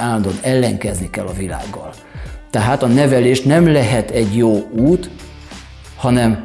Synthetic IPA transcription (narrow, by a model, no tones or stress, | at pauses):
aːlːɒnd̪onɛlːɛŋkɛznikɛlːɒvila̰ːɡːɒl | t̪ɛɦaːt̪ɒnɛvɛleːʃnɛmlɛɦɛt̪ɛɟjoːuːt̪ | hɒnɛm